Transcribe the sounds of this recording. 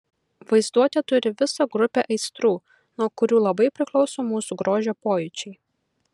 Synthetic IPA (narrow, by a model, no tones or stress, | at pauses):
ʋɐɪzd̪uɔt̪ʲet̪ʊɾʲɪʋʲɪsɐɡɾʊpʲeʔɐɪst̪ɾuː | nuɔkʊɾʲuːlˠɐbɐɪpʲɾʲɪklˠɒʊsoːmuːsuɡɾoːʒʲoːpoːjʊt͡ʃʲɛɪ